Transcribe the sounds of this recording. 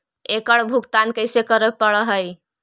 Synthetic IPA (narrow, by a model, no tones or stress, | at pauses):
ekəɽbʱuɡt̪ankəɪsekəɾəpəɽəɦəj